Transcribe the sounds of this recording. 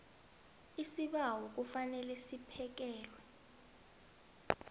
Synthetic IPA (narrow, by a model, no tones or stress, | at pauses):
isiɓawɔk̬ufanɛlɛsipʰɛk̬ɛːlwɛ